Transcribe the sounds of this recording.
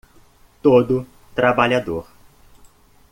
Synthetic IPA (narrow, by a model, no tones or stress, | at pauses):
t̪od̪ʊ | t̪ɾabaʎad̪oɾ